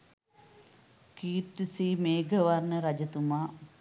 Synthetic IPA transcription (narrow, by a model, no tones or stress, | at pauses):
kiːt̪ːisiːmeːɡʱəʋarnəɾad͡ʒət̪umaː